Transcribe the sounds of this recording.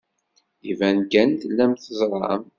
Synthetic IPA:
ivænkænθəlːæmθəzˤɾˤɑ̰m

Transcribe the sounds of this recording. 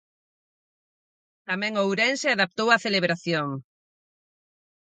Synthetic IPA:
t̪amɛ̃ŋowɾɛ̃nseaðap̚t̪owaθeleβɾaθjoŋ

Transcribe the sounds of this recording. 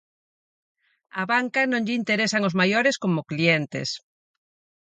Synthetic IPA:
aβaŋkanõŋʎint̪eɾesaŋozmajoɾeskomoklient̪ḛs

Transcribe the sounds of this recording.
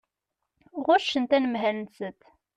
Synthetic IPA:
ʁʊʃənt̪ænəmɦænt͡sət̪

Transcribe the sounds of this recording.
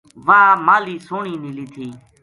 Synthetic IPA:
ʋaːmaːliːsoːɳiːniːliːt̪ʰiː

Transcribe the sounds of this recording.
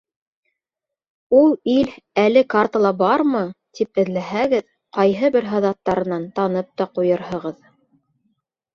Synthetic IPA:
ulˠilælɘkart̪əlˠɑbɑɾmɤt̪ipɘ̆ðlæɦæɡɘð | qɑjɦɤbɘɾɦɑðɑt̪ːɑɾɤ̆nɑnt̪ɑnɤp̚t̪ɑqujɤɾɦɤ̆ʁɤð

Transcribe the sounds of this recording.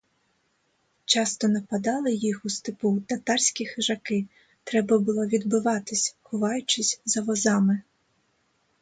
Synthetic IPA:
t͡ʃɑst̪ɔnɐpɐd̪ɑlˠɪjixust̪ɪput̪ɐt̪ɑrʲsʲkʲixɪʒɐkɪ | t̪ɾɛbɐbʊlˠɔʋʲid̪bʊʋɑt̪ɪsʲxʊʋɑjʊt͡ʃɪsʲzɐʋɔzɑmɪ

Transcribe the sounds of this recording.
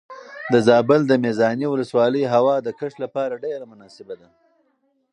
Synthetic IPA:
d̪əzɑːbɪld̪əmezɑniwʊləswɑləjɦawɑd̪əkəʂlapɑɾaɖeɾamʊnɑːsɪbad̪a

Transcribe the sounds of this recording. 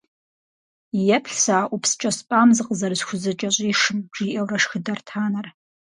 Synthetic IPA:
jɛpʰɬsaːʔupʰst͡ʃʼɐspʼamzɨqʼzɐrzxʷʊzɨt͡ʃʼɐɕʷʼiʂɨmʈ͡ʂiʔewrɐʂxɨdɐrtʰaːnar

